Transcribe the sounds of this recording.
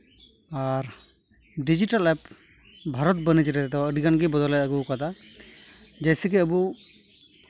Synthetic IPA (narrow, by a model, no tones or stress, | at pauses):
aɾ | ɖid͡ʒiʈalɛp | bʱaɾɔt̪̚bənid͡ʒiɾɛt̪d̪ɔəɖiɡanɡɛbɔd̪ɔlajəɡɔkad̪a | d͡ʒajsikɛəbu